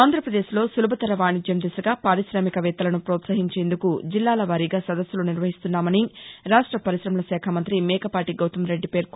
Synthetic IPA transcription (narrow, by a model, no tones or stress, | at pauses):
aːnd̪ʱɾɐpɾɐd̪e̞ːʃlo̞ːsulubɐt̪ɐɾɐʋaːɳid͡ʒjɐmd̪isɐɡaːpaːɾiʃɾaːmikɐʋɛːt̪ːɐlɐnupɾoːt̪sɐɦiɲt͡ʃe̞ːnd̪ukud͡ʒilːaːlɐʋaːɾiɡaːsɐd̪ɐsjuluniɾʋɐɦist̪unːaːmɐniɾaːʂʈɾɐpɐɾiʃɾɐmɐlɐsɛːkʰɐmɐnt̪ɾimɛːkɐpaːʈiɡɐwt̪ɐmɾe̞ɖːipe̞ːɾk